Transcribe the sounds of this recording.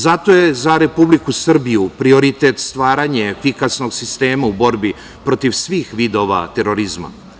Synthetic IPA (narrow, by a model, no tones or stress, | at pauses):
zat̪o̞je̞zaɾe̞publikusr̩bijupɾio̞ɾit̪et̪st̪ʋaːɾaɲe̞fikasno̞ɡsist̪e̞ːmaubo̞ɾbi | pɾo̞t̪iʋsʋiːxʋiːd̪o̞ʋa̰t̪e̞ɾo̞ɾizma̰